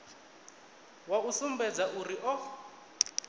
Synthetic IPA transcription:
wausumbɛd͡zaʔuriʔɔ

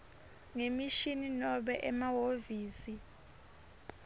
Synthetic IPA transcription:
ŋemiʃininɔɓɛʔɛmawoviːsi

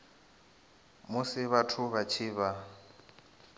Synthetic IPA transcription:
mʊsɪβatʰʊβat͡ʃʰiːβa

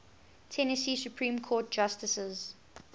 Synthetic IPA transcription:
tʰɛnəsiːsjupʰɹĩːmkʰɔːt̚d͡ʒ̥astəsəz

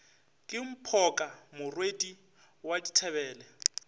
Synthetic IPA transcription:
kʼɪm̩pʰɔkʼamʊrwedi | waditʰɛβɛːlɛ

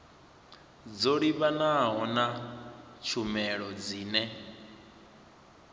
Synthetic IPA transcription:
d͡zoɺiβanaɦɔnat͡ʃʰumɛɺɔd͡ziːnɛ

